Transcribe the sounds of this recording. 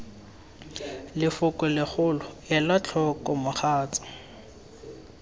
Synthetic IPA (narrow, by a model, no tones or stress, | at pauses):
lɪfʊkʼɔlɪχʊlɔjɛlat͡ɬʰɔkʼɔmʊχʰaːt͡sḁ